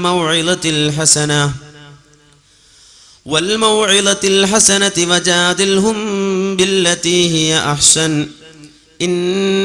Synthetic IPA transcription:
mawʕɪd̪ˤalħasana | walmawʕɪd̪ɑlħasanat̪wad͡ʒaːd̪ɪlɦʊmbɪlːat̪iːhɪjaʔaħsan | ʔɪnː

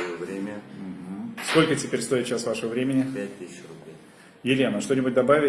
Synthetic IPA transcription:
əvɾʲemʲəm̩ɦm̩sko̞lʲkətʲɪpʲeɾʲst̪o̞ɪt̪ɕasvaʂəvəvɾʲemʲɪnʲɪpʲæt̚ʲt̪isʲrʊblʲej | jɪlʲe̞nəʂt̪o̞nʲɪbʊt̚ʲd̪ɐbavʲɪ

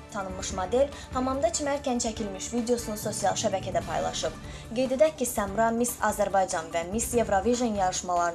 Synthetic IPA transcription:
t̪ʰɑnɯmɯʃmod̪e̞l | hɑmɑmd̪ɑt͡ʃʰimæɾcænt͡ʃʰæcʰilmiʃvid̪ejo̞sunuso̞sijɑlˠʃæbæcʰæd̪æpʰɑ̰jlˠɑ̰ʃɯb̥ | ɡe̞jd̪ed̪æcʰːisæmɾɑmisɑzæɾbɑjd͡ʒɑnvæmisje̞vɾoviʒenjɑɾɯʃmɑlˠɑɾ

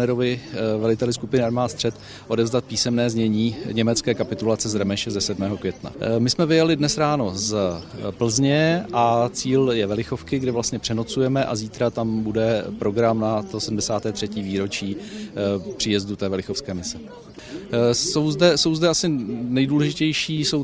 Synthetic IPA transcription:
nɛɾovɪvɛlɪt̪ɛlɪskupɪnɪaɾmaːt̪st̪r̥ɛt̪ | ʔo̞dɛvzdat̪̚piːsɛmnɛːzɲɛɲiːɲɛmɛt͡skɛːkapɪt̪ulat͡sɛzɾɛmɛʃɛzɛsɛdmɛːɦo̞kvjɛt̪na̰mɪsmɛvɪjalɪdnɛsɾaːno̞zpl̩zɲɛʔat͡siːljɛvɛlɪxo̞fkɪɡdɛvlast̪ɲɛpr̥ɛnot͡sujɛmɛʔa̰ziːt̪ɾat̪ambudɛpɾo̞ɡɾamnat̪osɛdm̩dɛsaːt̪ɛːt̪r̝̥ɛciːviːɾo̞t͡ʃiː | pr̥ɪjɛzdut̪ɛːvɛlɪxo̞fskɛːmɪsɛ | so̞wzdɛso̞wzdɛasɪnɛjduːlɛʒɪcɛjʃiːso̞w

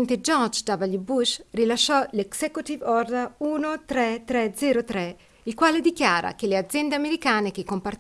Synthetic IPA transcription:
nt̪ed͡ʒɔt͡ʃd̪avalibuʃrilaʃːɔleksɛkut̪ivɔrd̪auːnot̪ɾɛt̪ɾɛd̪zɛːɾot̪ɾɛ | ilkwaːled̪ikjaːɾa̰kelead̪zːjɛnd̪eameɾikaːnekekːompar

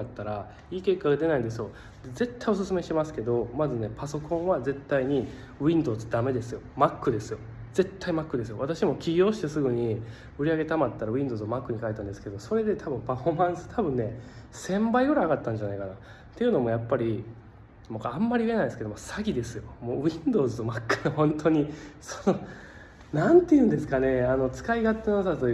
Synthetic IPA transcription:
at̪ːaɾa | iːke̞kːaɡad̪e̞naid̪esɨjo̞ | d̪̥e̞ze̞t̪ːaio̞s̬ɨsɨme̞ɕi̥t̪e̞masɨ̥ke̞d̪o̞mazɨne̞paso̞kõ̞ɰ̃βaze̞t̪ːaiɲ̟i | ĩnd̪o̞ːzɨd̪ame̞d̪e̞sɨjo̞makːɯ̟d̪e̞sɨjo̞ | z̥e̞t̪ːaimakːɯd̪e̞s̬ɨjo̞βat̪aɕimo̞kʲiɡʲo̞ːɕi̥t̪e̞sɨɡɯ̟ɲ̟i | ɯ̟ɾʲiaɡe̞t̪amat̪ːaɾaĩnd̪o̞ːzɨomakːɯ̟ɲ̟ikaiet̪ãnd̪e̞sɨ̥ke̞d̪o̞so̞ɾe̞d̪e̞t̪ʰabɯ̟̃mpaɸo̞mãɰ̃sɨ̥t̪ʰabɯ̟̃nːe̞sẽ̞mbaiɡoɾaːɡat̪ːãɲ̟d͡ʑanaikana | t̪e̞jɯ̟no̞mo̞japːaɾʲi | moamːaɾʲiɯe̞naid̪sked̪omosaɡʲid̪e̞sɨjo̞moːĩnd̪o̞ːzɨt̪o̞makːɯ̥nohõ̞nt̪ʰo̞ɲ̟iso̥no | nãnt̪ːe̞jɯ̟̃nd̪e̞sɨ̥kane̞ano̞t͡sɨ̥kaiɡat̪ːenosat̪o

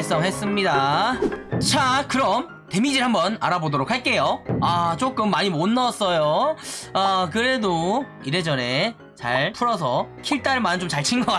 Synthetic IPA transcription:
ɭs͈ʌŋɦe̞s͈ɯmɲida | t͡ɕʰakɯɾʌm | te̞mid͡ʑiɭhambʌna̰ɾabodoɾok̚haɭk͈e̞joat͡ɕ͈ok͈ɯmːaɲimonːʌs͈ʌjo | akɯɾe̞do | iɾed͡ʑʌne̞ | t͡ɕa̰ɭpʰuɾʌs̬ʰʌkʰiɭt͈aɯmanɯnt͡ɕomt͡ɕaɭt͡ɕʰinɡʌa

